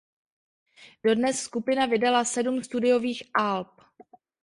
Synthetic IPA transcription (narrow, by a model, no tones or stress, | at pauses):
d̥o̞dnɛsːkupɪnavɪdalasɛdumst̪udɪjo̞viːxʔalp̚